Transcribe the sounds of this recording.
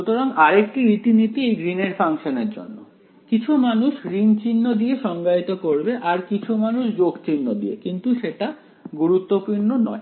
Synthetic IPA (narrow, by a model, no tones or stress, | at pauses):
ut̪oɾaŋaɾek̚ʈiɾit̪init̪iejɡɾineɾfaŋʃoneɾd͡ʑo̰nːo̰ | kit͡ɕʰumanuʃɡɾint͡ɕinːod̪ieʃɔŋɡait̪okoɾbeʔaɾkit͡ɕʰumanuʃd͡ʑoɡt͡ɕinːod̪ḭekint̪uʃeʈa | ɡuɾut̪ːopuɾnonɔe